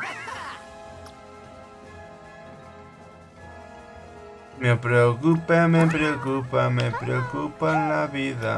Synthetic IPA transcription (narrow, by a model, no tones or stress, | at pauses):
mepɾeokupemepɾeokupamepɾeokupalaβiða̰